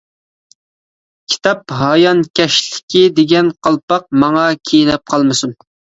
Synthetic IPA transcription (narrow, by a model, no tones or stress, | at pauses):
kʲʰi̥t̪ʰɑp̚ɦɑjɑnkʲɛʃlɪ̥kʲid̪eɡʲɛnqʰɑlˠpɑq̚mɑŋɑkʲʰejnɛp̚qʰɑlˠmɨsun